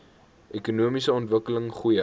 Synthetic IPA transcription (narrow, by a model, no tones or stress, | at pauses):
ʔɛkunuəmisəɔntvəkələŋχujə